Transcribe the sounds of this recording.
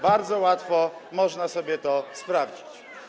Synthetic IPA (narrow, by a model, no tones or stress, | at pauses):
baɾd̪zɔwat̪fɔmɔʐnasɔbʲjɛt̪ɔspɾavd͡ʑit͡ɕ